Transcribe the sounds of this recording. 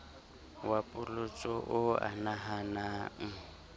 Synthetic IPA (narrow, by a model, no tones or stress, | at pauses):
wapʼʊlʊt͡sʼɔʔʊa̰naɦanaŋ̩